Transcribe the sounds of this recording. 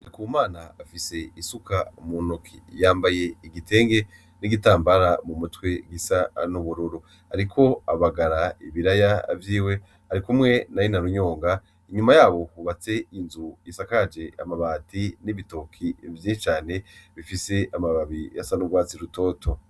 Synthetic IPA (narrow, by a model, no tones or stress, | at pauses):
aɾikumaːnaːfise̞isukaumunokʰijaːmbaje̞iɡite̞ːŋɡe̞ | niɡitaːmbaɾamumutwe̞ɡisanuβuɾuɾu | haɾikʰo̞aβaɡaɾaiβiɾajavjiːwe̞ | haɾikumŋe̞najinaɾuɲo̞ːŋɡa | iɲumajaːβo̞huβat͡se̞inzujisakad͡ʒe̞ʔa̰maβaːtiniβito̞kʰivjit͡ʃaːne̞βifise̞ʔamaβaβijasanuɡwaːt͡siɾuto̞ːtʰo̞